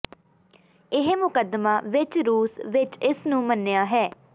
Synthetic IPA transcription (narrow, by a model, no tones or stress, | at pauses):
ɪɦmʊkəd̪maːʋɪt͡ʃɾuːsʋɪt͡ʃɪsnũːmənːejaːɦɛː